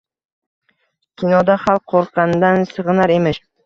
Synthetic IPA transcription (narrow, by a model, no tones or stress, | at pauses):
kʲʰinɒd̪aχalˠqʰoɾqʰɑnd̪ansɨʁɨnaɾe̞mɪʃ